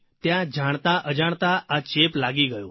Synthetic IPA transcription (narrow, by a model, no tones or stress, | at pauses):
t̪jãd͡ʒʱaɳ̃t̪aʔəd͡ʒaɳ̃t̪aːt͡ʃeplaɡiɡəjo̰